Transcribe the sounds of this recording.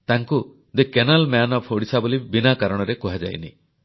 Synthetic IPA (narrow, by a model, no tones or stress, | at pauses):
t̪aŋku | d̪ekenalmanɔpʰhoɽisabolibinakaɾɔɽ̃ɔɾekɔɦad͡ʒa̰jnḭ